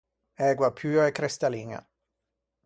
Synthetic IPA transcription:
ɛɡwapʰyːoekɾest̪aliŋa̰

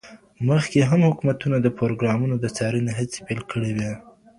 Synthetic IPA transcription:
məxkeɦamhʊkumat̪unad̪əpɾoɾoɡɾɑmunod̪ət͡sɑɾəneɦat͡se̥pelkʰəɽewe

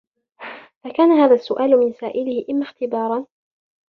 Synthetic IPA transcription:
fakaːnaɦaːðasːʊʔaːlʊmɪnsaːʔɪlɪhɪʔɪmːaːxt̪ɪbɑːɾˤɑn

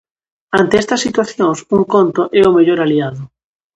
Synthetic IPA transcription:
ant̪eɛst̪ɐsːit̪waθjoŋsuŋkont̪ʊʔɛʊmeʎoɾaliaðʊ

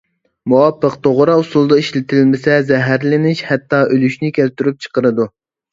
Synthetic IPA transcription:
muwɑpːəqt̪ʰoʁɾɑusulˠd̪ɑiʃlɪt̪ʰɪlmɪsɛzɛɦæɾlɪnɪʃhɛt̪ːɑʔølyʃnɪkʲælt̪yɾyp̚t͡ʃʰə̥qəɾɨd̪u

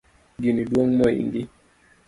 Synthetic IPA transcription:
ɡiniduɔŋmɔḭŋɡi

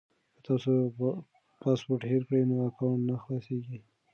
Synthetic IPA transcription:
kət̪ɑso | pɑspoɾʈheɾkɽəjnoakɑnːaxlɑseɡi

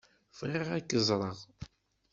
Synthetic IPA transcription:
fʁeʁækːəzˤɾˤəʁ

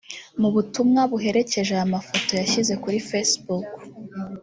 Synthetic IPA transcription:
muβutumŋaβuɦe̞ɾe̞ce̞ʒeamafo̞to̞jaçize̞kuɾifesbuk

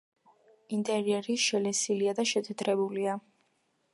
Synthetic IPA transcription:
int̪ʼɛɾiɛɾiʃɛlɛsiliad̪aʃɛt̪ʰɛd̪ʰɾɛbulia

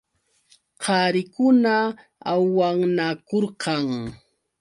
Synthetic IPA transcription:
qʰɑɾɪkʊna | awːaŋnakoɾqɑŋ

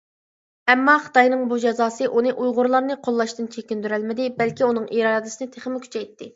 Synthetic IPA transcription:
ɛmːɑχə̥t̪ɑjnɨŋbud͡ʒɑzɑːsɨʔunɨʔujʁʊɾlˠɑɾnɨqʰolˠːɑʃt̪ɨnt͡ʃʰekʲind̪yɾælmɪd̪ɪbɛlkʲiunɨŋʔiɾɑːd̪ɨsɨnɨt̪ʰeχmɪkʲʰy̥t͡ʃʰɛjt̪ːɪ

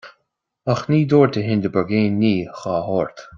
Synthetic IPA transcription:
axniːd̪oːɹt̪ʰəɦɪnd̪əbəɡeːnːiːxɑːhɔːɹt̪

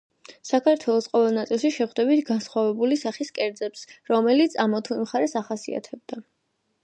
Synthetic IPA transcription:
sakʰaɾt̪ʰwɛlˠɔsqʼɔvɛlˠnat̪sʼilˠʃiʃɛχwd̪ɛbit̪ʰɡansχwavɛbulisaχiskʼɛɾd̪zɛpsɾɔmɛlit̪sʰamɔt̪ʰuimχaɾɛsaχasḭa̰t̪ʰɛb̚d̪a

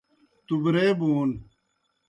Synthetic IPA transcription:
t̪ubɾeːbuːn

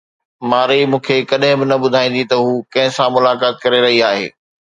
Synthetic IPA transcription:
maːɾimũːkʰekɐɗɦɪ̃bɪnɐɓʊd̪ʱaːĩːn̆d̪it̪ɐɦuːkɐ̃ɦɪ̃sãmʊlaːkaːt̪̚kɐɾeɾɐɦiaːɦḛː

